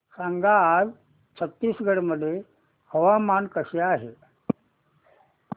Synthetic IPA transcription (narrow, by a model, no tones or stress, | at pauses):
saŋɡaːz | t͡ɕʰət̪ːiːsɡəɽməd̪ʱːje | həʋamankəɕeaɦe